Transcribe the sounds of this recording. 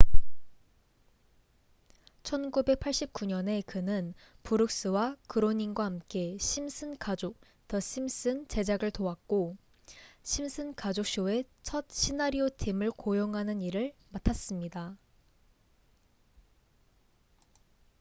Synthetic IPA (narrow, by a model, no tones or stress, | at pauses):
t͡ɕʰʌnɡube̞k̚pʰaɭɕ͈ip̚k͈uɲʌne̞kɯnɯnpuɾɯk̚s͈ɯwakɯɾoɲinɡwahamk͈e̞ɕʰimsʰɯnkad͡ʑok̚ | tʌɕʰims͈ɯnt͡ɕe̞d͡ʑaɡɯɭtoak̚k͈o | ɕʰimsʰɯnkad͡ʑok̚ɕ͈oe̞t͡ɕʰʌt̚ɕʰinaɾiotʰimɯɭkojoŋɦanɯniɾɯɭmatʰas͈ɯmɲida